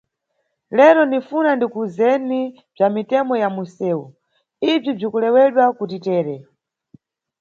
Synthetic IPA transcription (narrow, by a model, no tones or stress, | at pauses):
lɛɾɔnifunandikuzɛni | b͡ʐamitɛmɔjamusɛːu | ib͡ʐib͡ʐikulɛwɛɗwakutitɛːɾɛ